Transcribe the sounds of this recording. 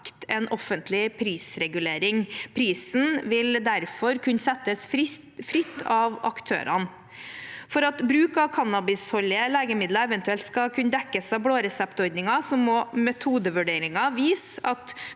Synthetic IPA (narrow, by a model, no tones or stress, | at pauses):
kt̪ʰɛnʔɔfənt̪ʰlɪpʰɾiːsɾɛɡʉleːɾɪŋpʰɾiːsn̩ʋɪld̪æɾfɔɾkʰʉnːsɛt̪ːəs | fɾɪt̪ːɑʋɑ̰kt̪ʰø̰ːɾɑ̰n | fɔɾɑt̪bɾʉːkɑʋkʰɑnɑbɪshɔlːɪəleːɡəmɪd̪lɑɛʋɛnt̪ʉɛlt̪skɑkʰʉnəd̪ɛkːəsɑʋbɽoːɾɛsɛpt̪ɔɾd̪nɪŋɑsɔmːɔmɛt̪ʰuːd̪əʋʉɖeːɾɪŋɑʋiːsɑt̪